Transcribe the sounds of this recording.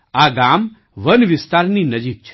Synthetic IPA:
aɡam | ʋənʋɪst̪aɾninəd͡ʒik̚t͡ʃʰ

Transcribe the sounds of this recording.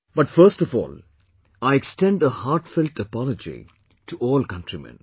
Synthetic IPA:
bʌʈfəɾsʈɔfɔ̰ːl | aɪeksʈɛ̃ɳɖəhaːɾʈfɪlʈəpɔləd͡ʒḭ | ʈʰuɔːlkʌ̃nʈɾimɛ̰̃n

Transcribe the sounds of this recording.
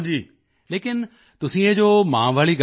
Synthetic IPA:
d͡ʑiː | leːkɪn | t̪ʊsĩːə̃d͡ʑoːmã̰ːʋaːɭiɡ

